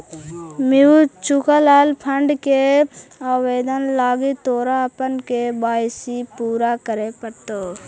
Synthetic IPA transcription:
miut͡ʃukəlaːlpʰəɳɖkeaːʋeːd̪ənlaːɡit̪oːɾapənkebaːjsipuːɾakəɾepəɾt̪oː

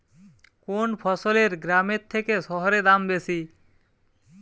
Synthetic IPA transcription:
konpʰɔsoleɾɡɾameɾt̪ʰːekeʃɔɦoɾed̪ambesi

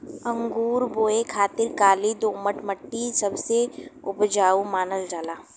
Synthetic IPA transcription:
ɐ̃ŋɡuːɾboːekʰaːt̪ɪɾkaːlid̪õːməʈmɐʈːisɐbseʊpd͡ʒaːumaːnəld͡ʒaːlaː

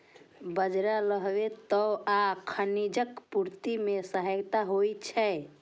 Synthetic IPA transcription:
bəd͡ʒɾaləɦʋet̪əakʰənid͡ʒəkpuɾt̪imesəɦəjt̪aɦojt͡ʃʰɛj

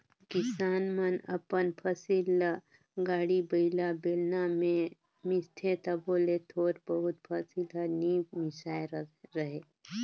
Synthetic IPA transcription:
kɪsaːnmənɐ̰pənpʰəsil | ɡaːɽibəɪlabeːlnamẽ | mɪst̪ʰẽt̪ɐboːlet̪ʰoːɾbəɦʊt̪̚pʰəsiləniːmɪsaːjɾɾəɦeː

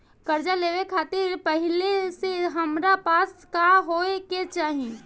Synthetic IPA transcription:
kəɾd͡ʒaleʋekʰaːt̪ɪɾpəɦɪleseɦəmɾapaːskaɦoeket͡ʃaːɦi

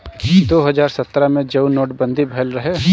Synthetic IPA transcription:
d̪oːɦɐd͡ʒaːɾsɐt̪ːɾamẽd͡ʒɐunoːʈbɐ̃nd̪ʱibʱɐːlɾɐɦe

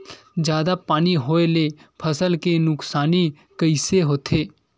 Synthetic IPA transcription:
d͡ʒjaːd̪apaːniɦoːeleːpʰəsəlkenʊksaːni | kəɪseɦoːt̪ʰeː

